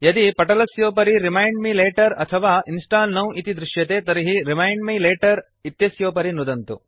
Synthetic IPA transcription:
jɐd̪ipɐʈɐlɐsjoːpɐɾiɾimɐjɳɖmileːʈɐɾɐt̪ʰɐʋaːʔinsʈaːlnɐwit̪id̪ɾiʃjɐt̪eːt̪ɐɾiɦiɾimɐjɳɖmileːʈɐɾ | it̪jɐsjoːpɐɾinud̪ɐnt̪u

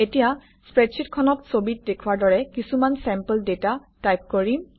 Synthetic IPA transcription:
etija | spɹɛtsʰitkʰɔnɔtsobit̚dekʰuwaɹdɔɹɛkisumansɛmpəldetatajp̚koɹim

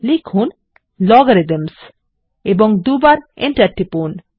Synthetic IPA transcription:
likʰhun | lɔɡoɾid̪ems | ebɔŋd̪ubaɾeɳʈaɾʈipon

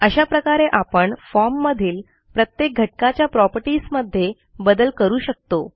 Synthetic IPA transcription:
əɕapɾəkaɾeʔapəɳfɔɾmːəd̪ʱiːl | pɾət̪jek̚ɡʱəʈ̚kat͡ɕjapɾɔpəɾʈiːsməd̪ʱːje | bəd̪əlkəɾuːɕək̚t̪o

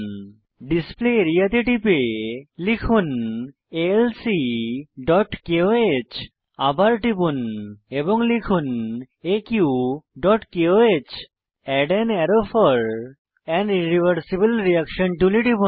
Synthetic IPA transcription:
ɖispleɾiaʈ̪iʈipelikʰun | elsiɖɔʈkeoet͡ɕ | abaɾʈipuneboŋlikʰun | ekjuɖɔʈkeoet͡ɕ | ɛɖenɛɾofɔɾ | ɛnɖiɾibʱəɾsibelɾiakʃonʈuliʈipu

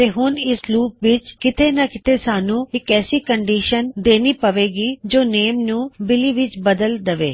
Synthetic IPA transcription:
t̪eːɦʊnɪsɾuːpʋɪt͡ʃkɪt̪ʰeːnəkɪt̪ʰeːsaːnũːɪkɛːsiːkəɳɖiːʃənd̪eːniːpəʋeːɡiːd͡ʒoːneːmnũːbɪliːʋɪt͡ʃbəd̪əld̪əʋḛː

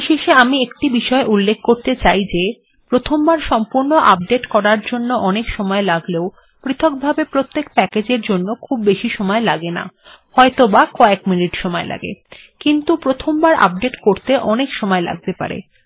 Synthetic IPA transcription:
ʃeʃeamiekʈibiʃɔeʔulːekʰkoɾt̪et͡ɕajd͡ʑe | pɾot̪ʰombaɾʃɔmpuɾnoʔa̰p̚ɖeʈkɔɾaɾd͡ʑonːoʔɔnekʃɔmɔelaɡleo | pɾit̪ʰok̚bʱabepɾot̪ːek̚pɛked͡ʑeɾd͡ʑonːokʰubːeʃiʃɔmɔelaɡena̰hɔet̪obakɔekminiʈʃɔmɔelʔa̰ɡḛ | kint̪upɾot̪ʰombaɾʔa̰b̚ɖeʈkoɾt̪eʔɔnekʃɔmɔela̰ɡ̚t̪epa̰ɾḛ

